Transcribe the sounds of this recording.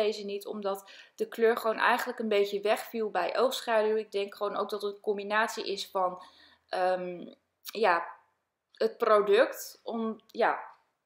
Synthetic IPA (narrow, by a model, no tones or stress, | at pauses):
ejzənitʰɔ̰mdɑt | d̥əkløːɹχəʋownʔɛ̰jχənləkənbejtəʋɛχfilˠbɛjʔowfsχaːdywɪɡ̚dɛŋkχəʋowno̰wk̚dɑtəəkɔmbinaːtsiʔɪsfɑn | ʔəm | jaː | ɦət̚prodɵktɔmjaː